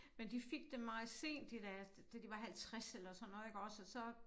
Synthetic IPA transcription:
mend̥ife̝ɡ̥̚d̥emːɑ̈ːse̝̰ːnd̥id̥æ̥ | d̥æd̥iʋɑ̈ɦælt͡sʰʁaselɐsɒ̽n̰ːɔ̽ːð̩ˠeɡ̥ɒ̽sɒsɒ̽

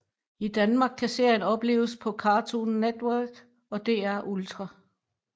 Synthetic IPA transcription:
id̥ænmɑ̈ːɡ̥̚kʰːæse̝ɐ̰jənɒ̽b̥le̝̰ːʊəspʰɒ̽kʰɑ̈ːt͡sʰunːed̥wæɐɡ̥ | ɒ̽d̥e̝æɐʔult͡sʰʁɑ

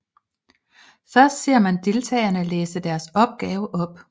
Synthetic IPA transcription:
fɶɐsd̥se̝ɐ̰mænd̥e̝lt͡sʰɛ̰ːɐnəleːsəd̥æɐsɒ̽b̥̚ɡ̥ɛːʊəʔɒ̽b̥

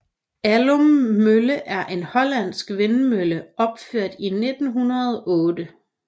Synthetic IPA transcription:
ælommøləʔæɐʔe̝nhɒ̽læn̰sɡ̥ʋenmøləɒ̽b̥føɐ̰d̥ine̝d̥n̩ɦunɐðˠɔːdə

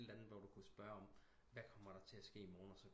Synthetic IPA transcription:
d̥lænð̩ˠʋɒd̥ukʰusb̥ɶːɐɒ̽m | ʋækʰɒ̽m̰ɐɾ̥ɑ̈t͡sʰe̝æsɡ̥e̝̰ːimɒːnɒsɒ̽

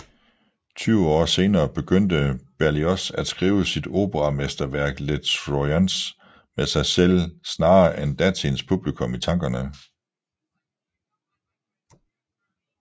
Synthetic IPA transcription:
t͡sʰyːʊɒ̰ːse̝ːnɐːb̥e̝ɡ̥øn̰d̥əb̥æɐliɒsæd̥sɡ̥ʁiːʊəsid̥o̝ːb̥əʁɑ̈mesd̥ɐʋæɐ̰ɡ̥led̥sʁoæns | mesɑ̈ɪsel̰snɑ̈ːʔend̥æt͡sʰinspʰub̥likʰɔ̽mit͡sʰɑ̈ŋ̰ɡ̥ɐnə

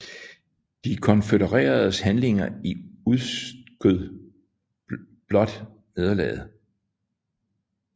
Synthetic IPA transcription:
d̥ikʰɒ̽nfedəʁɛ̰ːɐð̩ˠshænle̝ŋɐiuðˠsɡ̥øðˠ | b̥lɒ̽d̥ | ne̝ð̞ˠɐlɛ̰ːð̩ˠ

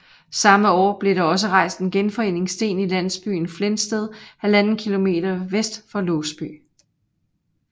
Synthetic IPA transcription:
sɑ̈məɒ̰ːb̥le̝ɾɑ̈ɒ̽s̬əʁɑ̈ɪ̰sd̥enɡ̥enfɒ̽e̝̰ne̝ŋsd̥e̝̰ːnilæn̰sb̥y̰ːn̩flensd̥eð̞ˠhælænn̩kʰilo̝me̝̰ːd̥ɐʋesd̥fɒ̽lɔːsb̥y̰ː

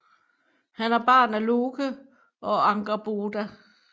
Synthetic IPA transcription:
hænæɐb̥ɑ̰̈ːnæloːɡʰə | ʔɒ̽ɑ̈ŋɡ̥ɐb̥oːd̥æ

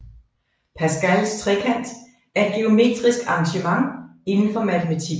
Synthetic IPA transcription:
pʰæsɡ̥ælst͡sʰʁɛkʰæn̰d̥ | æɐed̚ɡ̥eo̝me̝̰ːd̥ʁisɡ̥ɑ̈ŋɕəmɑ̈ŋe̝nn̩fɒ̽mæt͡sʰemæt͡sʰiɡ̥

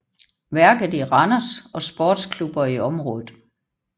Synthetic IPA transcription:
ʋæɐɡ̥ð̩ˠiʁɑnɐsɒ̽sb̥ɔːd̥skʰlub̥ɐiɒ̽mʁɔ̽ːðð̩ˠ

